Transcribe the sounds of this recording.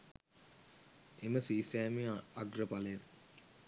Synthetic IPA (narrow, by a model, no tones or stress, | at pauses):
eməsiːsæːmiaɡrəpalen